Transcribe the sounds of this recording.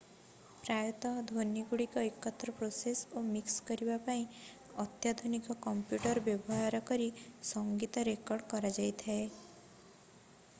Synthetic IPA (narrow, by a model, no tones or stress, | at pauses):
pɾajɔt̪ɔd̪ʱonjiɡuɽikɔekːɔt̪ːɾɔpɾosesomikskɔɾibapaĩ | ɔt̪jad̪ʱunikɔkɔmpjuʈɔɾɔbjɔbɔɦaɾɔkɔɾisɔŋɡit̪ɔɾekɔɾɖkɔɾad͡ʒajt̪ʰae